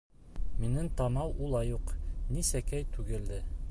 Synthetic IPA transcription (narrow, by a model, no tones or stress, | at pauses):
minɘŋt̪ɑmɑwʔulˠɑjuqnisækæjt̪ʉɡɘ̆ld̪ɘ